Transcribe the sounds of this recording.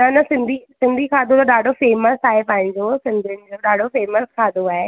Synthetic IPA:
nnɐsɪ̃nd̪ʱisɪ̃nd̪ʱikʰaːd̪ʱõt̪oɗaːɖʱofeːməsaːɦepɐ̃ɦɪ̃ɲd͡ʑoːsɪ̃nd̪ʱiənɪ̆d͡ʑoːɗaːɖʱofeːməskʰaːd̪ʱoaːɦe

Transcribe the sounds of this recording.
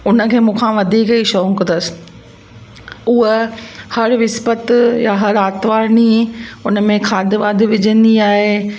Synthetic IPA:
ʊnə̆kʰeːmũːkʰãʋɐd̪ʱiːkiʃɔ̃ːkənəs | ʊɦəhɐɾʋɪspət̪jaɦɐɾaːt̪ʋaːɾniʊnə̆mẽkʰaːd̪ʱɪʋaːd̪ʱʋɪd͡ʑʱə̃nd̪iaːɦe

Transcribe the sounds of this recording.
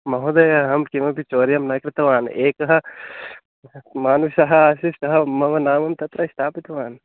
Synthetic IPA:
mɐɦud̪ɐjɐɦɐɦɐmkiʋɐpit͡ʃoːɾijɐmnɐkɾɪt̪ɐʋaːneːkɐɦɐ | maːnusɐɦɐaːsisɐɦɐmɐʋɐnaːmɐmt̪ɐt̪ɾɐɪst̪ʰaːpit̪ʋaːn

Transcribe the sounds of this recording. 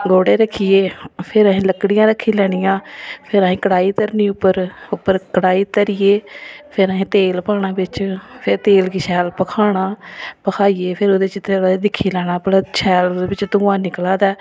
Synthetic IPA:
ɡoːɽeːɾəkʰːiːeːpʰɪɾəɦĩːləkɽɪjãːɾəkʰːiːlɛːɽ̃ɪjãːpʰɪɾəɦĩːkəɽaːiːt̪əɾniːʊpːəɾʊpːəɾkəɽaːiːt̪əɾɪjeːpʰɪɾəɦẽːt̪eːlpaːɳaːbɪt͡ʃpʰɪɾt̪eːlkɪʃʰɛːlpəkʰaːɽ̃aːpəkʰaːijeːpʰɪɾoːd̪eːt͡ʃɪt̪ead̪ɪkʰːiːlɛːɽ̃aːpəlt͡ʃʰɛːld̪eːbɪt͡ʃt̪ʊːãːnɪklaːd̪ɛː

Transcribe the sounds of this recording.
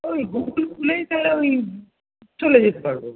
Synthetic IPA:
omiɡuɡulfulejt̪aleomi | t͡ɕoled͡ʑet̪epaɾbo

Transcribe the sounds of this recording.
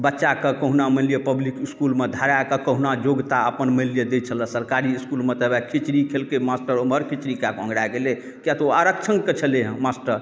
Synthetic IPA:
bətːʃakəkəɦunaməlijəpəblikiskulmed̪ʱaɾakəkəɦunad͡ʒoɡt̪aəpənməlijəd̪et͡ʃʰələ̃səɾkaɾiːskulmet̪əbakʰit͡ʃɾikʰelkemasʈəɾoməɾkʰit͡ʃɾikakə̰̃ŋɡɽaɡele | kjat̪oaɾək̚t͡ʃʰəŋket͡ʃʰəleɦə̃masʈəɾ

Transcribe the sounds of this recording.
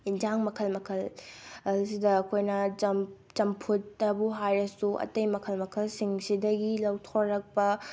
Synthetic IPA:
ind͡ʒaŋmɐkʰɐlmɐkʰɐlɐsidɐːkʰojnɐd͡ʒɐm | t͡ʃɐmpʰutːɐbuɦajɾɐsuʔɐ̰tɐjmɐkʰɐlmɐkʰɐlsiŋsidɐɡilɐwtʰoɾːɐk̚pɐ

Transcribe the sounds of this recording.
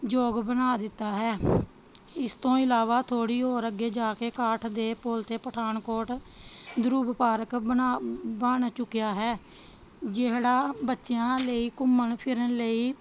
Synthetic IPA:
d͡ʒoːɡbənaːd̪ɪt̪ːaːɦɛː | ɪst̪õːɪlaːʋaːt̪ʰoːɽiːɦoːɾəɡːeːd͡ʒaːkeːkaːʈʰd̪eːpolt̪eːpəʈʰaːnkoːɾʈd̪ʊɾuːbpaːɾəkənaːbaːɳt͡ʃʊkːejaːɦɛː | d͡ʒeɦɽaːbətːʃejãːləiːkʊmːəɳpʰɪɾənləiː

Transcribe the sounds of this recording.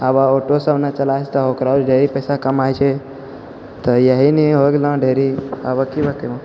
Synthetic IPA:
abaoʈosəbʱnat͡ʃəlajt͡ʃʰt̪əokɾad͡ʒɖʱeɾipəɪsakəmajt͡ʃʰɛ | t̪əjəɦiniɦoɡelə̃ɖʱeɾia̰bəkibʱəkemə̃

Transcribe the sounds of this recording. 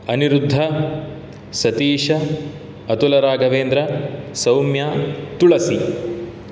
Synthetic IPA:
ɐniɾud̪ʱːɐ | sɐt̪iːʂɐ | ɐt̪ulɐɾaːɡɐʋeːnd̪ɾɐsɐwmjaːt̪uɭɐsi

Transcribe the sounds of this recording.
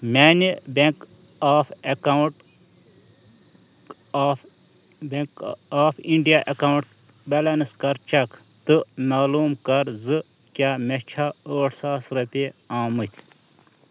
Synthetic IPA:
mʲaːnibʲek | aːfɐkawʈ | bkaːfiɳɖijaʔɐkauɳʈ | bɐlɐnɨskɐɾt͡ʃɐk | t̪ɨmaːluːmkɐɾzɨ | kʲaːmɐt͡ʃʰaːoːʈʰsaːsɾɐpʲe | aːmɨt̪ʲʰ

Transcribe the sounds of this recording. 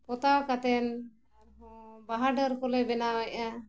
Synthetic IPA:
pɔt̪akat̪ɛn | ɔbaɦaɖəɾkɔlɛbɛnawɛʔa

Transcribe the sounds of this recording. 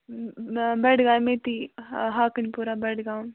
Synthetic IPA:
bɛɽɡaːjmẽːt̪iɦaːkənpuɾabɛɽɡãː

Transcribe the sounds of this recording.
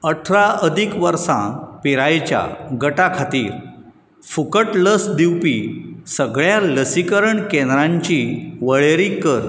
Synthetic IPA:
əʈʰɾaəd̪ʱikʋəɾsãpiɾajt͡ɕja̰ɡəʈakʰat̪iːɾ | fukəʈləsd̪iwpisəɡɭjaləsikəɾəɳkẽnd̪ɾãɲt͡ɕiʋəɭeɾikəɾ

